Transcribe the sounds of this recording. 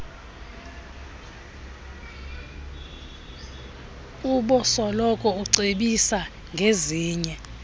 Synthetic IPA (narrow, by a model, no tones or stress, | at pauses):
uɓɔsɔlɔkʼɔuǀeɓisa | ŋɡʱeziːɲɛ